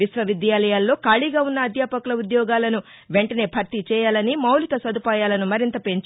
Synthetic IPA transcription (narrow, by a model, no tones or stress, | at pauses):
isʋɐʋid̪jaːlɐjaːlːo̞ːkaːɭiɡaːunːɐːd̪jaːpɐkulɐud̪jɔːɡaːlɐnu | ʋe̞ɳʈɐne̞ːpʰɐɾt̪it͡ʃɛːjaːlɐnimɐwlikɐsɐd̪upaːjaːlɐnumɐɾint̪ɐpe̞ɲt͡ʃ